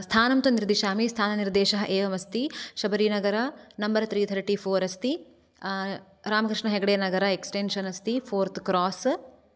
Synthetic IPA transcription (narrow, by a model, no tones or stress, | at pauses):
st̪ʰaːnɐmt̪uniɾd̪iʃaːmist̪ʰaːnɐniɾd̪eːʃɐɦɐʔeːʋɐmɐst̪iʃɐbɐɾiːnɐɡɐɾɐnɐmbɐɾt̪ɾiːt̪ʰɐɾʈiːpʰoːɾɐst̪i | ɾaːmɐkɾiʂɳɐɦeɡɐɽeːnɐɡɐɾɐeksʈenʃɐnɐst̪ipʰoːɾt̪kɾɔːs